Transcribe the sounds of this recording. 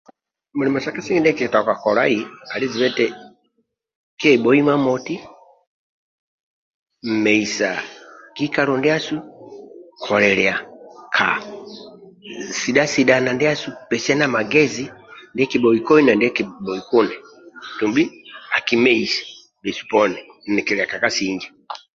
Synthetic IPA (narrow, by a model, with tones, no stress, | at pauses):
mu˨li˨mɔ˨sa˨ka˦si˦ŋɡi˦ndɛ˦ki˨ɛ˨ta˨ka˨kɔ˨la̰˦i˨a˨li˦zi˨bɛ˦tɛ˦ | kɛ˦i˨ɓɔ˨˦i˦ma˦mɔ˨ti˦ | m̩˨mɛ˨i˨sa̰˨ki˦ka˦lɔ˨ndɛ˦a˦su˦ | kʰɔ˨lɛ˨lɛ˨a˨kʰa̰˨ | si˨da˦si˨ɗa˨na˨ndi˦a˦su˦pɛ˨sɛ˦na˦ma˨ɡɛ˦zi˦ndɛ˦ki˨bɔ˨ikɔ˦i˦na˨ndi˦ɛ˦ki˨bɔ˨ikɔ˦nɛ˨ | tu˨mbi˦a˨ki˦mɛ˦i˨sḁ˨ | bɛ˨su̥˨pɔ˦nɛ˨nɛ˨kɛ˨lɛ˨a˨ka˨ka˦siɲd͡ʒa˨